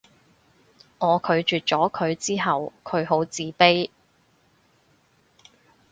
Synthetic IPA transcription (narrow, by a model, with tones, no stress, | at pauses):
ŋɔː˨˧kʰɵ˨˧ɥt͡ʃyː˨t̚t͡ʃɔː˨˥kʰɵ˨˧ɥt͡siː˥ɦɐ˨wkʰɵ˨˧ɥɦo˨˥wt͡siː˨˧pe˥j